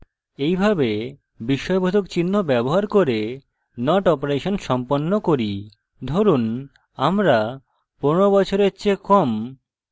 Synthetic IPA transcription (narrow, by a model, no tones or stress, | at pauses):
ejbʱabe | biʃɔebʱod̪ʱokt͡ɕinːobɛboɦaɾkoɾe | nɔʈɔpoɾeʃonʃɔmponːokoɾi | d̪ʱoɾun | amɾa | ponoɾobɔt͡ɕʰoɾet͡ɕʰekɔm